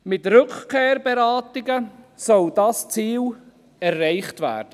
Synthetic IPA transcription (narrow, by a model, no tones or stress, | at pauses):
mɪtrʏkkʰeːɾbeɾɑːtɪɡə | sɔld̥ɑst͡siːl | ɛɾːɛɪχtvæ̰ːɾd̥ə